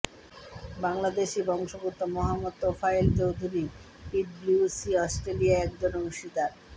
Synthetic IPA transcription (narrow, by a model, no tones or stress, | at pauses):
baŋlad̪eʃibɔŋʃobut̪ːomɔɦamːod̪̚t̪ofaelt͡ɕowd̪ʱuɾi | iblusiɔsʈɾeliaɛk̚d͡ʑonouʃid̪aɾ